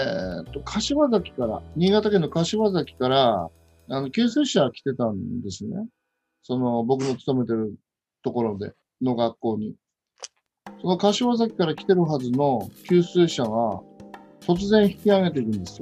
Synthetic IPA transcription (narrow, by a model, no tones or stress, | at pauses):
et̪ːo̞kʰaɕiβazakʲi̥kaɾa̰ɲ̟iːɡat̪akẽ̞nːo̞kaɕiβazakʲi̥kaɾa | ano̞kʲɨːsɨːɕakʲi̥t̪e̞t̪ãnd̪e̞sɨne̞ | so̞no̞bo̞kɯno̞t͡sɨ̥t̪o̞me̞t̪e̞ɾɯ̟ | t̪o̞ko̞ɾo̞d̪e̞̰ | no̞ɡakːo̞ːɲ̟i | so̞no̞kaɕiβazakʲi̥kaɾakʲi̥t̪e̞ɾɯ̟ɦazɨno̞kʲɨːsɨːɕaɡa | t̪o̞t͡sɨzẽ̞ɰ̃çi̥kʲiaɡe̞t̪̬e̞iɾɯ̟̃nd̪e̞sɨjo